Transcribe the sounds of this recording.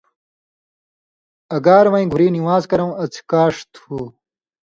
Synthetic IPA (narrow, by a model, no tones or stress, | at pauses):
ɐɡaːɾmɐĩɡʱuɾiːnimaːzkɐɾɐwɐt͡sʰi̥kaːʂt̪huː